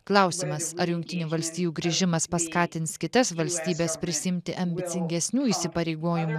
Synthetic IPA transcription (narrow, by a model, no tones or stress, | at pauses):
klˠɐʊsʲɪmɐsɐɾjʊŋkt̪ʲɪnʲuːʋɐlʲsʲt̪ʲiːjuːɡɾʲɪʒʲɪmɐspɐskɑːt̪ʲɪnt̪skʲɪt̪ɐsʋɐlʲsʲt̪ʲiːbʲɛːspʲɾʲɪsʲɪɪmʲt̪ʲɪʔɐmʲbʲɪt̪ʲɪŋʲɡʲɛsʲnʲuːisʲɪpɐɾʲɛɪɡoːjɪmu